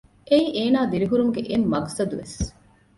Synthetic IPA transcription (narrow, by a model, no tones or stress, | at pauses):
ʔeiʔeːnaːd̪iɾiɦuɾumuɡeʔemːɐɡsɐd̪uʋes